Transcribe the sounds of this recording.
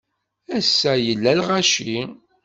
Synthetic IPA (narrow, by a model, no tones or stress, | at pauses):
æsːæjəlːælʁæʃi